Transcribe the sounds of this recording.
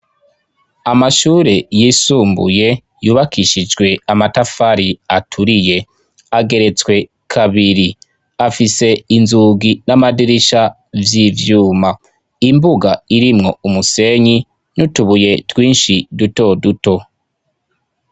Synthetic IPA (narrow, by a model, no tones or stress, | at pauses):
amaʃuːɾe̞jisuːmbṵje̞ | juːβakiʃid͡ʒɡwe̞amatafaɾiatʰuɾije̞ | aɡe̞ɾe̞t͡swe̞ | kʰaβiɾi | afise̞inzuːɡinamadiɾiʃa | vjivjuːma | imbuɡaiɾimŋo̞umuse̞ɲi | nutuβuje̞twiːnʃiduto̞duto̞